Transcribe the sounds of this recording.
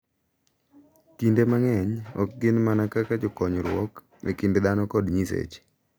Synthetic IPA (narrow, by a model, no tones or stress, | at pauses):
kindemaŋɛɲɔk̚ɡɪnmanakakad͡ʒokɔɲɔɾwɔk | nɛ̰kɪnded̪anɔkɔdɲisḛt͡ʃ